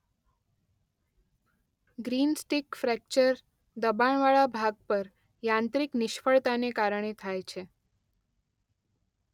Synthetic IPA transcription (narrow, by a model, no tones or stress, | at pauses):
ɡɾinsʈikfɾɛk̚t͡ʃəɾ | d̪əbaɳʋaɭabʱaɡ̚pəɾ | jãnt̪ɾiknɪʃfəɭt̪anekaɾəɳ̃et̪ʰajt͡ʃʰe